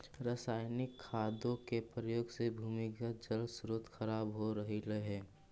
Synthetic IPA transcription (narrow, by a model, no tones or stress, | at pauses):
ɾəsaːɪnɪkʰːaːd̪õkepɾəjoːɡsebʱuːmɪkəd͡ʒəlsɾut̪xəɾaːbɦoɾəɦiləɦɛ̃ː